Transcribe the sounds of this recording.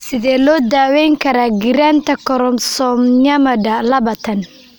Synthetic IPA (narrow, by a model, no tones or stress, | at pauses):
sɪðɛːlɔːd̪aːwɛjŋkʰɐɾaːɡɪɾant̪ʰɐkʰɔɾɔmsɔːmɲɐmɐdɐlɐβat̪ʰɐn